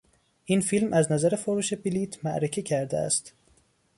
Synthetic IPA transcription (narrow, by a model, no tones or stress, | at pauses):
ʔiːnfiːlmʔæznæzæɾefoɾuːʃe̞biliːt̪ʰmæʔɾececʰæɾd̪ḛæ̰st̪